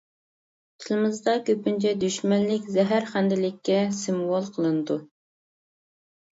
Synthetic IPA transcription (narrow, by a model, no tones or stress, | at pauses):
t̪ʰɪlɨmɨzd̪ɑkʲøpynt͡ʃʰɛd̪yʃmɛnlɪkʲzɛɦæɾχænd̪ɪlɪkʲːɛsɨmwɑlˠqʰəlˠɨnɨd̪u